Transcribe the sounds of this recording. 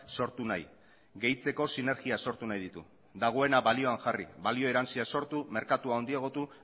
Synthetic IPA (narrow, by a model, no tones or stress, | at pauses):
so̞ɾt̪unaj | ɣe̞jt͡se̞ko̞sine̞ɾɣiaso̞ɾt̪unajðit̪u | d̪aɣ̞o̞e̞naβalio̞aŋxarḭβalio̞e̞ɾant͡siaso̞ɾt̪ume̞ɾkat̪uao̞nd̪ieɣ̞o̞t̪u